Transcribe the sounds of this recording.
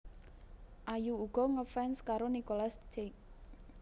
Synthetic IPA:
ʔajuuɡ̥ɔ̤ŋəfɛnskaɾonikolast͡ʃek̚

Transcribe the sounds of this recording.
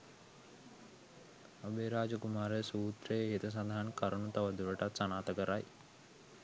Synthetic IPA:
ɐbeːɾaːd͡ʒəkumaːɾesuːt̪ɾejɦit̪əs̬and̪ʱaɦankaɾunut̪aʋəd̪uɾəʈat̪sanaːt̪əkəɾaj

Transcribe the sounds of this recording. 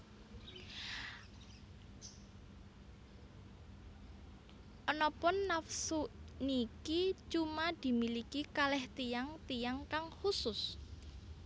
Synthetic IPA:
ʔɔnɔpʊnːafsuʔnikit͡ʃumad̪̥i̤milikikalɛht̪ijaŋt̪ijaŋkaŋhusʊs

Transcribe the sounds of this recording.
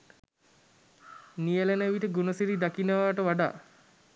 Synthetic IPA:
nijəlenəʋiʈəɡunəsiɾid̪akinəʋaːʈəʋaɖa̰ː

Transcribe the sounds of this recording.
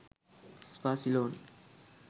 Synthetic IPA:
spaːsiloːn

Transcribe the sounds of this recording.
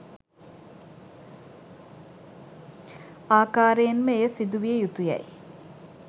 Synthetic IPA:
aːkaːɾejənməejəsid̪uʋijəjut̪uja̰j

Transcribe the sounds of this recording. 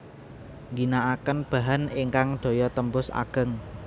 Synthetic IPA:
ŋɡinaʔakənb̥a̤ɦaniŋkaŋɖ̥o̤jɔt̪əmbʊsa̰ɡ̥ə̤ŋ

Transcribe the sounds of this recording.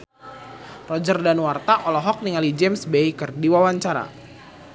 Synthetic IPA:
rɔd͡ʒərdanwart̪aʔɔlɔɦɔk̚niŋalid͡ʒemsbeikərdiwawaɲt͡ʃaɾa̰

